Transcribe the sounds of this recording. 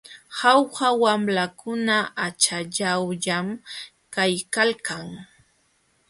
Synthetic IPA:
hawhawamlakʊnaat͡ʃaʎawʎam | kajkalkaŋ

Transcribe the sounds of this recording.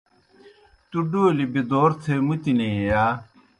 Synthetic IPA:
t̪uɖoːlibed̪oːɾt̪ʰemut̪ineejaː

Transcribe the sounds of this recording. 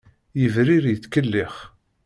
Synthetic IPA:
jəvɾiɾjət͡sːkəlːɪχ

